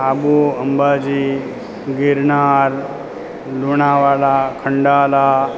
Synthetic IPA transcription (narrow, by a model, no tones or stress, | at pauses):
abuəmbad͡ʒi | ɡiɾɳaɾ | luɳaʋaːlakʰəɳɖaːla